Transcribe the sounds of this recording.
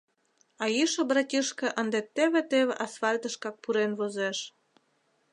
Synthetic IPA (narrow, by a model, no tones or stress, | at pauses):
ɑjiʃobrɑtʲiʃkɑ̆ʔənd̪et̪ːeβet̪eβeʔɑsfɑlʲt̪əʃkɑk̚puɾenβozeʃ